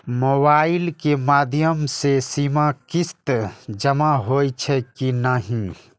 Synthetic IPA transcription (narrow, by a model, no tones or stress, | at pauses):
moːbaːɪlkemaːd̪ʱjəmsesimakist̪d͡ʒəmaɦot͡ʃʰɛkinəɦĩ